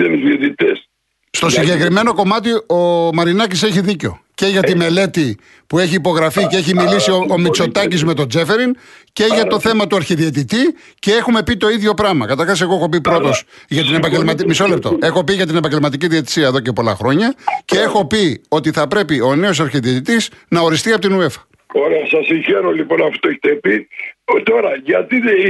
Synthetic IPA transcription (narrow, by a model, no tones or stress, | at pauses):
eniziot̪it̪es | st̪o̞siɲɟe̞kɾime̞no̞ko̞mɐt̪iomɐɾinɐcise̞çiðiceo̞̰ce̞ʝɐt̪ime̞le̞t̪i | pue̞çiːpo̞ɣɾɐficeeçimilisioomit͡so̞t̪ɐcizme̞t̪o̞d͡ze̞fe̞ɾince̞ʝɐt̪o̞θe̞mɐt̪uɐɾçiðiet̪̬it̪i | ce̞exume̞pit̪o̞iðʝo̞pɾɐmɐ̰kɐt̪ɐɾxɐse̞ɣoexopipɾo̞t̪o̞s | ʝɐt̪inepɐɲɟelmɐt̪imiso̞le̞p̚t̪o̞ʔe̞xo̞piʝɐt̪̬inepɐɲɟelmɐt̪̬iciðiet̪i̥siɐeðo̞ce̞po̞lɐ̰xɾo̞ɲɐce̞e̞xo̞pio̞t̪iθɐpɾe̞pio̞ne̞o̞sɐɾçiðiot̪it̪isnɐo̞ɾist̪iɐpot̪inue̞fɐ̥ | oɾeɐsɐsiŋçeɾolipo̞nɐfo̥t̪oeçi̥t̪epit̪o̞ɾɐʝɐt̪i